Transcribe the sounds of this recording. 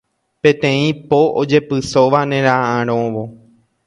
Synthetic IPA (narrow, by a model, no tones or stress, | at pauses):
pẽt̪ẽĩpoʔod͡ʒe̞pɨsoʋanẽɾãʔãɾ̃õʋo